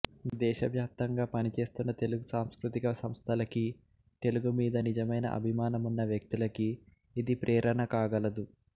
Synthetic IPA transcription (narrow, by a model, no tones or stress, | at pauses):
d̪ɛːʃɐʋjaːp̚t̪ɐŋɡaːpɐnit͡ʃe̞ːst̪unːɐt̪e̞luɡusaːmskɾut̪ikɐsɐmst̪ʰɐlɐki | t̪e̞luɡumiːd̪ɐnid͡ʒɐmɐjnɐ̰ʔɐ̰bʱimaːnɐmunːɐʋjɐk̚t̪ilɐkiː | d̪ipɾʔɛːɾɐɳɐkaːɡɐlɐd̪u